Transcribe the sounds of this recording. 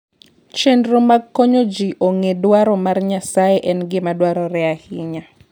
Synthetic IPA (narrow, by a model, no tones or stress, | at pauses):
t͡ʃendɾomaɡkːoɲod͡ʒiʔoŋedwaɾɔmarɲasaeʔɛnɡɪmadwaɾɔɾɛahɪɲa